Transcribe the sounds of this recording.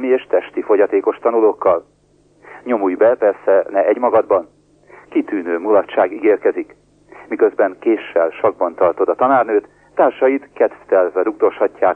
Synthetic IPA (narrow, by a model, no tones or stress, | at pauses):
mieːʃt̪ɛʃt̪ifo̞ɟɒt̪eːko̞ʃt̪ɒnuloːkːɒl | ɲo̞mujbɛpɛrsɛnɛʔɛɟmɒɡɒd̪bɒn | kit̪yːnøːmulɒtʃaːɡiɡeːrkɛzik | mikøzbɛŋkeːʃːɛlʃɒɡ̚bɒnt̪ɒrt̪o̞d̪ɒt̪ɒnaːrnøːt̪ːaːrʃɒjit̪kɛt̪ft̪ɛlvɛɾuɡ̚d̪o̞ʃhɒcːaːk